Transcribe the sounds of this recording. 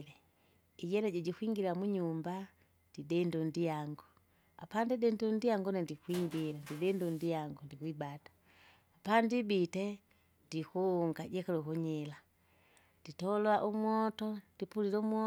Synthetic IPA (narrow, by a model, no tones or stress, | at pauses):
lɛ | iɟɛlɛɟɛɟikwiŋɡilamuɲumba | didɛndɔndiaŋɡɔ | a̰pandidɛndundiaŋɡɔnandikwiŋɡilandidɛndɔndijaŋɡɔndikwibatḁː | pandibitɛ | ndikuːŋɡaɟɛkalukuɲɛla | nditɔlɔaʔumwɔtɔd̥ipulilɛumwɔ